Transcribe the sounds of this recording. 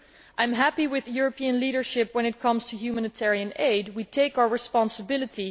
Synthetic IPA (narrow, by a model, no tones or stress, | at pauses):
ʔãj̃mɦæpiwɪðjuɹəpʰiɨ̃nliɾə˞ʃɪpwə̃nɨt̚kʰʌ̃mz̥tʰɨjumænɨtʰɛɹiɨ̃neɪd̚witʰeɪkaʊə˞ɹɨspɑ̃nsəbɪlˠətʰi